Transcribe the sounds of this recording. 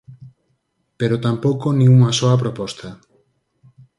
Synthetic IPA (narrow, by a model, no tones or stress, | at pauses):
peɾot̪ampowkonĩŋuŋasɔapɾopɔst̪a